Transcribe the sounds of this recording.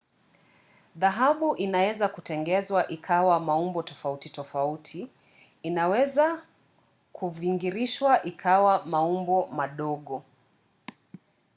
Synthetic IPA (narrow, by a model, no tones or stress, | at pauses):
ðaɦaɓuʔinawɛzakutɛŋɡɛzwaʔikʰawamaumbɔtɔfautitɔfautʰiː | nawɛza | kuviŋɡiɾiʃwaʔikʰawamaumbɔmaɗɔɠɔ